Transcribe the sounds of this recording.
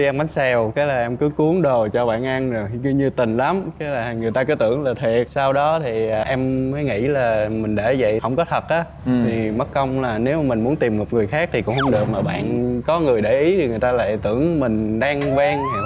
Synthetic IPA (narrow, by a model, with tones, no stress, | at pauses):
i˧ʔɛ˧mva˨˦ŋsɛ˧˩wkaː˨˦laː˨˩ʔɛ˧mkɨ˨˦ku˨˦əŋɗo˨˩t͡ɕɔ˧ɓa̰ː˧˨nʔa˧nzo˨˩jki˧ɲɨ˧t̪ï˨˩ŋ̟la˨˦mkaː˨˦laː˨˩ŋɨ˨˩əjt̪aː˧kɔ˨˦t̪ɨ̰˧˩˨əŋlaː˨˩t̪ʰe˨˩saː˧wɗɔ˨˦t̪ʰi˨˩˨ʔɛ˧mːəː˨˦jŋḭ˧˥laː˨˩mï˨˩ŋ̟ɗḛ˧˩zə̰˧˨jhə˧wŋ͡mkɔ˨˦t̪ʰə˨˩t̚ʔaː˨˦ | t̪ʰi˨˩mə˦˥t̚kə˧wŋ͡mlaː˨˩ne˨˦wmaː˨˩mï˨˩ŋ̟mu˨˦ənt̪i˨˩mːo˨˩t̚ŋɨ˨˩əjxaː˦˥k̚t̪ʰi˨˩kʊ̰˧˥ŋ͡mhə˧˦wŋ͡mɗɨ˨˩ək̚maː˨˩ɓa̰ː˧˨nkɔ˨˦ŋɨ˨˩əjɗe˧˩ʔi˨˦t̪ʰi˨˩ŋɨ˨˩əjt̪aː˧la̰ː˧˨jt̪ɨ̰˧˩əŋmï˨˩ŋ̟ɗaː˧ŋvɛ˧ŋ˨˩